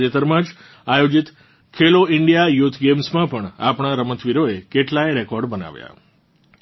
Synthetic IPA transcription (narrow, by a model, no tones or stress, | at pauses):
d͡ʒet̪əɾmãd͡ʒ | ajod͡ʒit̪ | kʰeloɪɳɖijajut̪ʰɡemsmãpəɳa̰pɳ̃aɾəmət̪ʰʋiɾoekeʈlajɾɛkɔɾɖbəna̰ʋja̰